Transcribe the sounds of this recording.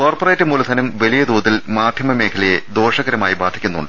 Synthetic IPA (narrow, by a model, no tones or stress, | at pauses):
ko̞ːrporeːtːɨmuːlusʰɐnɐmʋɐlijɐd̪uːt̪ðilmaːd̪ʱjɐmɐme̞ːkʰɐlɐje̞d̪o̞ːʂɐɣɐɾɐmaːjibaːd̪ʱikʲːunːṵɳɖɨ